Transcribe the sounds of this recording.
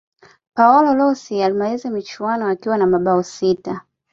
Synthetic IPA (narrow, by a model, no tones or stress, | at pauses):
paɔlɔlɔsialimalizɛmit͡ʃuanɔakiwanamaɓaɔsita